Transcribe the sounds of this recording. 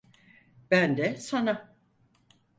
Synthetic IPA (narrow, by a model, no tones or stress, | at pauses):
b̥ænd̪ɛsana